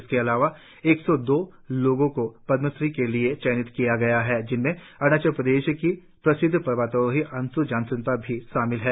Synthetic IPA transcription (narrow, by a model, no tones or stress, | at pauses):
skeɐlaːʋa | eːksɔd̪oː | loːɡõkopɐd̪məsɾikeliet͡ʃɛːnɪt̪kijaɡɐjaɦɛːd͡ʒɪnmẽ | ɐɽ̃ñat͡ʃəɾpɾəd̪eːʃki | pɾɐsɪd̪ʱːpɐɾʋaːt̪əɦiʔɐ̃nsud͡ʒãːnsə̃npɐɾbʱiʃaːmɪlɦɛː